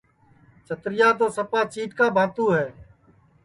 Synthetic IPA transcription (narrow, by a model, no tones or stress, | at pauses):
t͡ʃʰət̪ɾɪjaːt̪oːsəpaːt͡ʃiːʈkaːbʱaːt̪uːɦɛː